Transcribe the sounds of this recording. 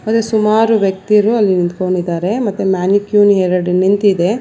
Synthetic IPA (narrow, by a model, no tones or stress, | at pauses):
mɐt̪ːesumaːɾuʋjɐk̚t̪iɾuɐlːinint̪koɳɖid̪aːɾe̞mɐt̪ːumaːnikjuːniɦeɾɐɖnint̪id̪e̞